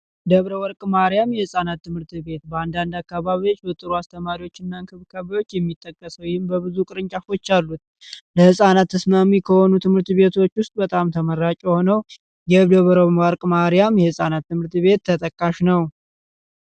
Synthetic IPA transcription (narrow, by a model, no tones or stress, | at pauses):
d̪əβɾəwɔɾkʼmaɾijamjɛhɨsʼanat̪ːɨmhɨɾt̪βe̞t̪bəand̪and̪akːaβaβiwo̞t͡ʃːbət̪ʼɨɾuast̪ʰəmaɾiwo̞t͡ʃːɪnːaɨŋkʰɨβkʰəβəjwo̞t͡ʃːjɛmːit̪ʼːəkʼːəsəwjɪhɨmbəβɨzukʼɨɾɨɲt͡ʃʼafo̞t͡ʃːalːut̪̚ | ləhɨsʼanat̪ʰːəsmamikʰəhonut̪ʰɨmhɨɾt̪βe̞t̪ʰo̞t͡ʃːwʊst̪ʼbət̪ʼamt̪ʰəməɾːat͡ʃʼɛho̞nəw | jɛd̪əβɾomwaɾkʼmaɾijamjɛhɨsʼanat̪ːɨmhɨɾt̪βe̞t̪ːʰət̪ʼəkʼːaʃnəw